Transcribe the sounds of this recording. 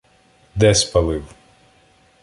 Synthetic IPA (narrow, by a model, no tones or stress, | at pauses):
d̪ɛspɐlˠɪw